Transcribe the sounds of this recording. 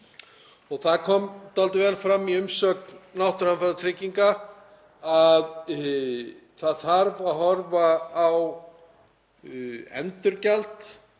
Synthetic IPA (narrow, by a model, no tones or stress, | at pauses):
ɔɣθaðkʰɔmt̪alt̪ɪvɛːlfɾamːiʏmsœːk̪̚nawht̪ʏɾhanfaɾat̪ʰɾɪciŋka | að | θaðθaɾvaðɦɔɾvaːw | ɛ̰nt̪ʏɾcalt̪